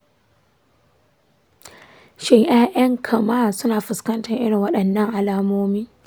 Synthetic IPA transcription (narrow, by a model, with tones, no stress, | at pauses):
ʃɪ˦ŋʔaː˦ʔɐ˦ŋkʰɐ˨maː˦˨sʊ˦naː˨ɸɪ˨skɐ˦ntɐ˨rʔɪ̰˦ɽɪ˨ŋwɐ˦ɗɐ˨nːɐ˦ŋʔa˨laː˦moː˦miː˦